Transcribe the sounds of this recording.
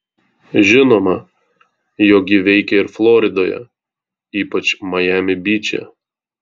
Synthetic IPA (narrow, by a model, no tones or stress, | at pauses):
ʒʲɪnoːmɐ | joːkʲjʲɪʋʲɛɪkʲɛɪɾflˠoːɾʲɪd̪oːjɛ̰ | iːpɐt͡ʃmɐjæːmʲɪbʲiːt͡ʃʲɛ̰